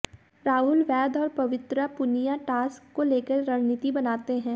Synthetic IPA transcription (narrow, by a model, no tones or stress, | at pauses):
ɾaːɦʊlʋɛːd̪ɔːɾpɐʋɪt̪ɾəpʊnijaʈaːskːoleːkəɾːɐɦnit̪ibɐnaːt̪eɦɛ̃ː